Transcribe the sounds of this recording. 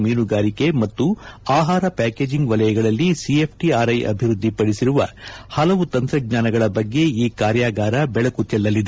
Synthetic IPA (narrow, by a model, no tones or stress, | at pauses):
miːnuɡaːɾike̞mɐt̪ːuaːɦaːɾɐpæːke̞ːd͡ʒiŋɡʋɐlɐjɐɡɐɭɐlːisiep̚ʰʈiaːɾɐjʔɐ̰bʱiɾud̪ʱːipɐɽisiɾuʋɐ̰hɐlɐʋut̪ɐnt̪ɾɐɡ̚ɲaːnɐɡɐɭɐbɐɡːe̞iːkaːɾjaːɡaːɾɐbɛɭɐkut͡ʃɛlːɐlːid̪e